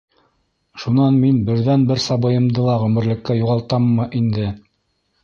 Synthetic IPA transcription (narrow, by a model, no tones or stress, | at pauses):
ʃunɑnminbɘ̆ɾðænbɘɾsɑbɤ̆jɤ̆md̪ɤlˠɑʁɵ̆mɘ̆ɾlɘ̆kːæjuʁɑlˠt̪ɑmːɤʔind̪ɘ